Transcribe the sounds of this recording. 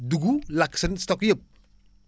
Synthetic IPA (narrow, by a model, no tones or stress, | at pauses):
duɡulaksɐnstɔkjɐp̚